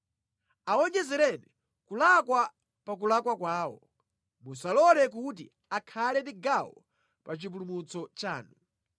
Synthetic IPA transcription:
aɔɲɛzɛɾɛni | kulakwa | pakulakwakwaːwɔ̰ | musalɔlɛk̬ut̬ḭ | akʰalɛndiɡawɔ | pat͡ʃip̬ulumut͡sɔt͡ʃaːnu

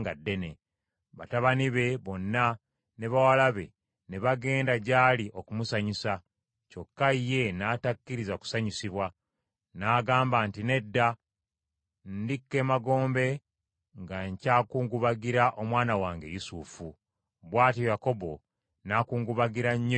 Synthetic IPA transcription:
ŋɡadːe̞ne | βataβaniβe̞βo̞nːa | ne̞βawalaβe̞ | neβaɡe̞ːndaɟaːliʔo̞kumusaɲisa | co̞kːaije̞naːtakːiɾizaku̥saɲisiβwa | naːɡaːmbaːntine̞dːa | ndikːe̞maɡo̞ːmbe̞ | ŋɡaɲcaːkuːŋɡuβaɡiɾaʔo̞mwaːnawaːŋɡe̞̰jusufu | βwaːtiojako̞βo̞ | nakuːŋɡuβaɡiɾaɲː

